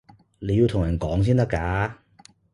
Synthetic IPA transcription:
le˨˧ji˧wt̪ʰʊ˨˩jɐ˨˩nkɔː˨˥ŋs̬iː˥nt̪ɐ˥kːaː˧˥

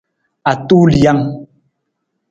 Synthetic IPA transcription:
a˨tu˦lja˦ŋ

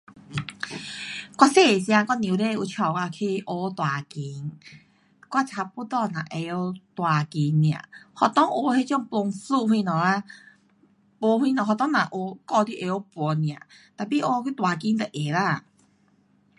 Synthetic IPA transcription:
kwa˧se˧˨sj̃ã˧kɔ˥˧njĩ˨le˧˨˧u˧t͡ɕʰjɔ˨˩wa˧kʰi˧ʔo˧t̪wa˨˩ki˨˧˦ŋ | kwa˦˧t͡sʰa˧pu˧t̪ɔ˥˧˨nã̰˨˩ʔe˧˦o˧˦t̪wa˨˩ki˨˦nj̃ã̰˨hɔ˧t̪ɔ˦ŋʔo˧˦he˦˧˦t͡ɕjɔ˥˧˨ŋpo˧ŋsu˥˧˨hwi˧nɔ˨˩a˧ | po˧˦hwi˧nɔ̃˨˩ɦɔ˨t̪ɔ˦ŋnã˨ʔo˧kɔ˥˧d̪i˦˧˦ʔe˧˦o˧˦pwɔ˨˦nĩ˧˨ã̰˨t̪a˨˩pi˧˦ʔo˧ki˦t̪wa˨˩ki˧˦ŋt̪ə˨ʔe˨˦la˧˨

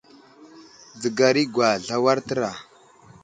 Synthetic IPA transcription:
d͡zə˨ɡa˨ɾi˦ɡwa˨ɮa˦wa˦ɾtə˦ɾa˨

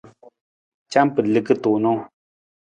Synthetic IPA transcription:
t͡ʃa˦m˦pɨ˨lɨ˨kɨ˦to˨ʔnɔ˦

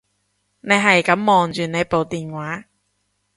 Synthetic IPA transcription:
ne˨˧jɦɐ˨jkɐ˨˥mːɔː˨ŋt͡ʃyː˨ne˨˧jpo˨wt̪iː˨nwaː˨˥

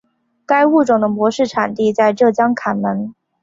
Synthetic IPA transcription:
ka˥ɪu˥˩ʈ͡ʂʊ˨˩ŋd̪ə˦mwɔ˧˥ʂɻ̩˥˩ʈ͡ʂʰa˨˩nt̪i˥˧t͡sa˥˧ɪʈ͡ʂɤ˥˩t͡ɕjɑ˥ŋkʰa˨˩nmə˧˥n

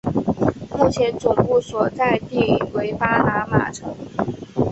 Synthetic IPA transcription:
mu˥˩t͡ɕʰjɛ˧˥nt͡sʊ˨˩ŋpu˥˩swɔ˨˩t͡sa˥˧ɪt̪i˥˩˨we˧˥ɪpa˥na˧˥ma̰˨˩ʈ͡ʂʰɤ˧˥ŋ

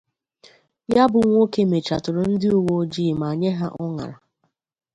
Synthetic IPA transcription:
ja˦bʊ˨ŋʷo˦ke˦me˨t͡ʃa̰˨tʊ˨ɾo˨n̩˦dɪ˦o˨wo˦d͡ʒiː˦˨ma˨ɲe˦ɦa˦ʔɔ˦ŋa̰˨ɾa˨

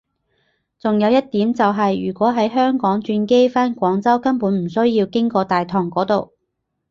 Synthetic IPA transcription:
t͡sʊ˨ŋjɐ˨˧wjɐ˥t̚t̪iː˨˥mt͡sɐ˨wɦɐ˨jjyː˨˩kʷɔː˨˥ɦɐ˨˥jɦœː˥ŋkɔː˨˥ŋt͡ʃyː˧nke˥jfaː˥nkʷɔː˨˥ŋt͡sɐ˥wkɐ˥npuː˨˥nm̩˨˩sɵ˥ɥjiː˧wkɪ˥ŋkɔː˧t̪aː˨jt̪ʰɔː˨˩ŋkɔː˨˥t̪o˨w

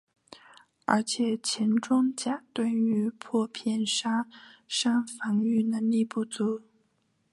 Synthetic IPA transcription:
ə̰˞˧˥t͡ɕʰjɛ˨˩t͡ɕʰɛ˧˥nʈ͡ʂʊ˥ŋt͡ɕja˨˩t̪wa˥˩ny˧˥pʰwɔ˥˧pʰjɛ˥˩˨nʂa˥ʂa˥ŋfa˧˥ŋy˥˩nə˧˥ŋli˥˧pu˥˩t͡su˧˥˦

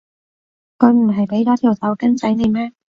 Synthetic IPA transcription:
kʰɵ˨˧ɥm̩˨˩ɦɐ˨jpe˨˥jk̪aː˨˥t̪ʰiː˨˩wsʰɐ˨˧˥wkɐ˥nt͡sɐ˨˥jne˨˧jmɛː˥

